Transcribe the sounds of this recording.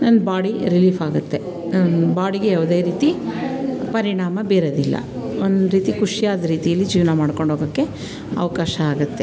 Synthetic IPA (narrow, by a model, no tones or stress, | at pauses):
nɐnbaːɽiɾiliːfaːɡut̪ːe̞ | nbaːɽiɡejaːʋd̪eːɾiːt̪i | pɐɾiɳaːmɐbeːɾɐd̪ilːɐ̰ond̪ɾiːt̪ikuʂijaːd̪ɐɾiːt̪ijɐlːid͡ʒiːʋɐnamaːɽko̞ɳɖʱɦoːɡɐkːe̞ | ɐ̰ʋɐkaːʃɐaːɡut̪ːe